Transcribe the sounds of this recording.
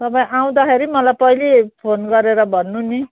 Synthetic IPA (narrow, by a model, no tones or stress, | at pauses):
t̪ʌpãĩʔaw̃d̪axeɾimʌlajpʌjlepʰonɡʌɾeɾʌbʱʌnːuni